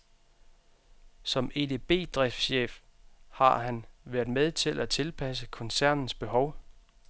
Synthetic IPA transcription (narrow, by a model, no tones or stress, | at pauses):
sɒ̽me̝d̥e̝b̥e̝̰ːd̥ʁɛfd̥ɕḛːfhɑ̈ɦænʋæɐdˠmeðˠt͡sʰe̝lʔæt͡sʰe̝lpʰæsəkʰɒ̽nsæɐ̰nn̩sb̥e̝ɦɒ̽ʊ